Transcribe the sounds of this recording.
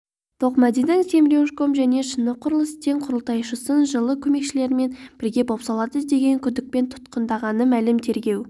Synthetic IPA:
t̪ʰo̞qmɑd̪id̪ɪŋse̞mɾʲe̞wʃko̞mʒæne̞ʃənːəqʰʊɾəlˠəst̪ʰeŋqʰʊɾəlˠt̪ɑjʃəsənʒəlˠəkʲʰɵme̞kʃɪle̞ɾɪme̞nb̥ɪɾɡʲe̞bo̞psɑlˠɑd̪əzd̪e̞ɡʲe̞ŋkʲʰʏd̪ɪk̚pe̞nt̪ʰʊ̥t̪qənd̪ɑʁɑnəmælɪmt̪ʰe̞ɾɡʲe̞w

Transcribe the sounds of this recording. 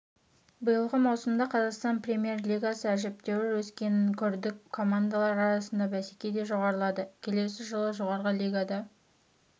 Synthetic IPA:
bəjəlˠʁəmɑwsəmd̪ɑqʰɑzɑqst̪ɑnprʲe̞mʲije̞rlʲijɡasəæʒɪp̚t̪e̞wɪɾwɵskʲe̞ŋkʲʰʏɾd̪ɪkkʰːo̞mand̪alˠɑɾɑɾɑsənd̪ɑbæsekʲejd̪e̞ʒo̞ʁɑɾəlˠɑd̪əkʲʰe̞le̞sɪʒəlˠəʒo̞ʁɑɾʁəlʲˠijɡad̪ɑ

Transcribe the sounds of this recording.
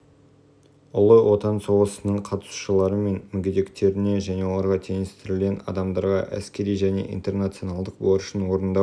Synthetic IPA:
ʊlˠəwʔo̞t̪ɑnso̞ʁəsənəɴqʰɑt̪ə̥su̥ʃəlˠɑɾəme̞nmʏɡʲed̪e̞kt̪e̞ɾɪne̞ʒæne̞wlˠɑɾʁɑt̪ʰe̞nɪst̪ɪɾɪlɡʲe̞nɑ̰d̪ɑmd̪ɑɾʁɑ̰ʔæ̰skʲe̞ɾijʒæne̞̰ʔḭnt̪e̞rnat̪sio̞nɑlˠd̪əq̚boɾəʃənwo̞ɾənd̪ɑ

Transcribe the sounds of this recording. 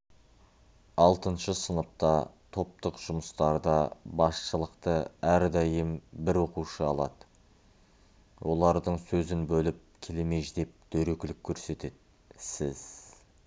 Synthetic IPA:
ɑlˠt̪ənʃəsənəp̚t̪ɑt̪ʰo̞p̚t̪əqʒ̥ʊməst̪ɑɾd̪ɑbɑsʃəlˠəqt̪əæɾd̪ɑjəmbɪɾwo̞quʃəɑlˠɑ̰d̪̥ə | wʔo̞lˠɑɾd̪əɴsɵzɪnbɵlɪp̚kʲʰe̞leme̞ʒd̪e̞p̚d̪̥ɵɾekʲɪlɪkʲʰːɵɾse̞t̪e̞d̪ | sɪz̥

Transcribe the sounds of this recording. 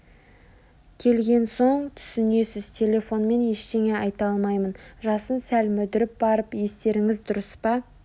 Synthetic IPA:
kʲʰe̞lɡʲe̞nso̞ɴt̪ʰʏ̥sɪne̞sɪzt̪ʰe̞lʲe̞fo̞nme̞ne̞ʃt̪e̞ŋe̞ɑjt̪ɑlˠmɑjmənʒɑsənsælmɵd̪ɪɾɪp̚bɑɾəpje̞st̪e̞ɾɪŋɪzd̪ʊɾəspɑ

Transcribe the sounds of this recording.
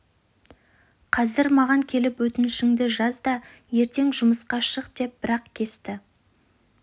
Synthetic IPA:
qʰɑzɪɾmɑʁɑŋkʲʰe̞lɪpwɵt̪ɪnɪʃɪŋd̪ɪʒɑzd̪ɑ | je̞ɾt̪e̞ŋʒʊməsqɑʃəqd̪e̞p̚b̥ɪɾɑqkʲʰe̞st̪ɪ

